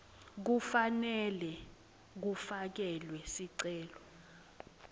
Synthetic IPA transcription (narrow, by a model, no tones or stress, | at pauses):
k̬ufanɛlɛ | k̬ufak̬ɛlwɛsiǀɛːlɔ